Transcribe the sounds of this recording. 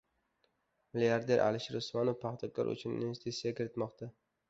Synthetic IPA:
mɪliaɾd̪e̞ɾʔa̰lɪʃɾʊsmanovpʰaχt̪ʰɒkʰɒ̰ɾʔʊ̰t͡ʃʰʊnɪ̰nvest̪isijakʲʰɪɾɪt̪mɒqt̪ʰa

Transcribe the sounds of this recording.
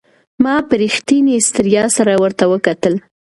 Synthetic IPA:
mɑpəɾixt̪inist̪ɾijɑsaɾawəɾt̪awəkat̪əl

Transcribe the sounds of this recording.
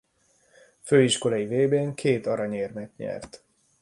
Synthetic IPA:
føːiʃko̞lɒjiveːbeːŋkʰeːt̪ɒɾɒɲeːrmɛt̪ɲɛ̰rt̪

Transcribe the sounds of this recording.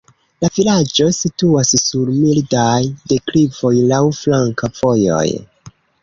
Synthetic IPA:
lavilad͡ʒo̞situassuɾmildajde̞klivo̞jlawflaŋkavo̞jo̞̰j

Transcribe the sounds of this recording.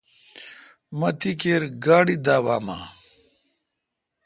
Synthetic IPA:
mɐt̪ikeːɾɡaːɽid̪aːwaːma̰ː

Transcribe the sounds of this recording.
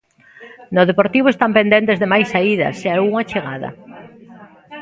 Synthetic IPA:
noð̞epoɾt̪iβoest̪ampend̪ent̪ezðemajsaiðɐ̰sealuŋat͡ʃeɣaðɐ̰

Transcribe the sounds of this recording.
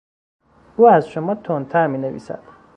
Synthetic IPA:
uːæzʃomɒːt̪ʰont̪ʰæɾmiːnevḭːsæ̰d̪̥

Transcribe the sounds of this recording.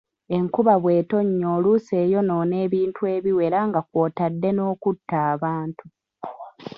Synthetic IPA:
e̞ŋkuβaβwe̞ːto̞ɲːoːluse̞ːjo̞no̞ːne̞ːβiːntue̞ːβiwe̞ɾaŋɡakwo̞ːtadːe̞no̞ːkutːaːβaːntu

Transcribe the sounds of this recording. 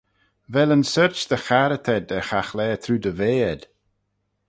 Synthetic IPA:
vɛlə̃nsɜɹt͡ʃðəxaɾət̪ʰɛd̪əxaxlɛːt̪ʰɾuːd̪əveːəd̪̥

